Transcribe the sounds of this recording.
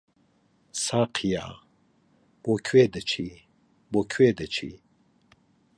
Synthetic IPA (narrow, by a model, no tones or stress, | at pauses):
saːqʰija̰ | b̥okʰweːd̪ət͡ʃʰi | bokʰweːd̪ət͡ʃʰḭ